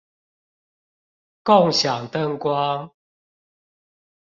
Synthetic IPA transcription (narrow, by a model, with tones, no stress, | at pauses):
kɔ˥˨ŋɕja˨˩ŋt̪ə˥˦˨ŋkwa˦